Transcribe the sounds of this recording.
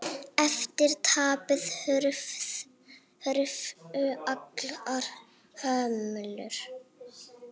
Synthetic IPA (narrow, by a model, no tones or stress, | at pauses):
ɛft̪ɪɾ̥t̪ʰaːpʏðɾf | hɾʏfʏaklaɾ̥ | hœːmʏlʏɾ̥